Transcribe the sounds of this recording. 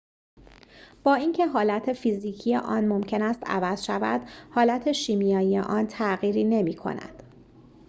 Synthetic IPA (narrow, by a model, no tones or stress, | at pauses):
b̥ɒːiːncʰe̞ɦɒːlæt̪ʰefiːziːcʰijeʔɒːnmo̞mcʰe̞næst̪æ̰væz̥ʃævæ̰d̪̥hɒːlæt̪ʰe̞ʃiːmijɒːjijḛʔɒːnt̪ʰæɣiːɾiːne̞miːkʰo̞̰næ̰d̪̥